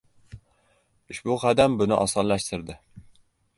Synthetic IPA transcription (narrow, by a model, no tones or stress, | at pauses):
uʃbuqʰæd̪ɛmbunɪʔɑsɑnlɛʃt̪ʰɪɾd̪ɪ